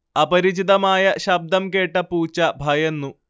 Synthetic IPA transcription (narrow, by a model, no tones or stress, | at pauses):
ɐpɐɾit͡ɕid̪ɐmaːjɐɕɐb̚d̪ɐmkeːʈːɐpuːt͡ɕːɐbʱɐjenːu